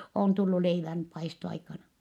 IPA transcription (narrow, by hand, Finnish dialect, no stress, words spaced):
oˑn tulːu leiʋæn pɑistoɑikɑnɑ